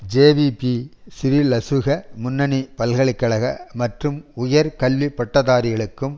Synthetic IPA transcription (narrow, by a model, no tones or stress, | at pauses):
d͡ʒeːʋipisɪɾilɐsɯɣɐmʊnːɐnipɐlɣɐɭɪkːɐɭɐɣɐmɐʈrɯmʊjɐɾkɐlʋipːɐʈːɐðaːɾɪɣɐɭɯkːɯm